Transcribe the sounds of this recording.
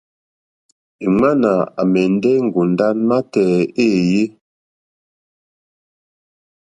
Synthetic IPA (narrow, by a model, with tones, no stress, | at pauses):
e˨ma˦na˨a̰˨mɛ˨n˦dɛ˦ŋ̩˨ɡu˨n˨da˦nma˦tɛː˨e˦˨je˦